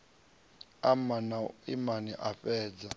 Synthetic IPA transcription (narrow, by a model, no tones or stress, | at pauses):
amanaimaniʔafɛːd͡za